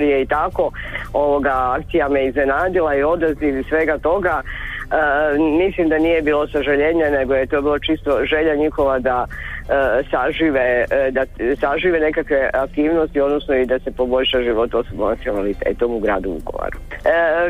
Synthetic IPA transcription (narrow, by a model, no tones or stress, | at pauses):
ɾijeit̪ako̞o̞ʋo̞ɡaakt̪sijamejeizne̞naːd̪ilaio̞d̪azd̪izsʋe̞ɡat̪o̞ɡa | mislimd̪anije̞biːlo̞saʒaʎe̞ɲene̞ɡojet̪o̞biːlot͡ʃist̪o̞ʒe̞ʎaɲixo̞ʋad̪a | saʒiːʋed̪asaʒiːʋene̞kakʋe̞ʔak̚t̪iːʋno̞st̪io̞d̪nosno̞id̪ase̞po̞bo̞ʎʃaʒiʋo̞t̪osobonat̪sionalit̪ḛt̪omuɡɾaːd̪uṵko̰ʋa̰ɾu